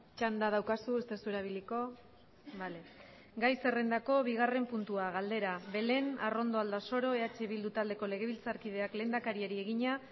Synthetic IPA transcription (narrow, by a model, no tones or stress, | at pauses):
t͡ʃand̪að̞awkasue̞st̪esueɾaβ̞iliko̞ | bale | ɡajse̞re̞nd̪ako̞βiɣ̞are̞mpunt̪uaɣald̪e̞ɾaβe̞le̞na̰ro̞nd̪o̞ald̪aso̞ɾo̞eat͡ʃe̞βild̪ut̪ald̪e̞ko̞le̞ɣ̞e̞βilt͡saɾkið̞e̞akle̞ːnd̪akaɾieɾie̞ɣiɲa